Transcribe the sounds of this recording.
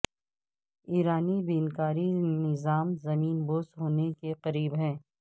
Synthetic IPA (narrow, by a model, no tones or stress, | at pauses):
iːɾaːnibiːnkaːɾinɪzaːmzɐmiːnboːsɦoːnekeqɐɾiːbɦɛ̃ː